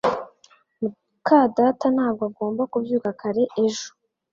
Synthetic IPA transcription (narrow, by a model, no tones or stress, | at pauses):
mu | kadatanaːb̚ɡoaɡo̞ːmbakubjuːkakaɾe̞ʔeʒo̥